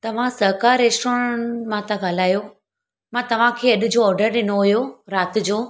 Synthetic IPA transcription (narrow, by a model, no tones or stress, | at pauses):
t̪ɐʋ̤ãsɐɦkaːɾːeːsʈoːɾə̃ɳmãt̪ãɡʱɐlaːjo | mãt̪ɐʋ̤ãkʰeːɐɗʊ̆d͡ʑoːɔːɾɖəɾɗɪnoɦʊjoɾaːt̪̆d͡ʑoː